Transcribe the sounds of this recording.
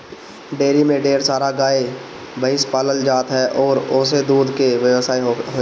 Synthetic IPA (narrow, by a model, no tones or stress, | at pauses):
ɖeːɾimẽɖeːɾsaːɾaɡaːe | bəɪspaːləld͡ʒaːt̪ɦɛʔɔːɾoːs̬ed̪uːd̪keʋjəʋsaːiɦo